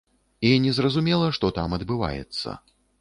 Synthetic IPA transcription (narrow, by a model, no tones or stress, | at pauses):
inʲɛzrɐzumʲɛlˠɐʂt̪ɔt̪amɐd̪bɨva̰jɛ̰t̪sːɐ̰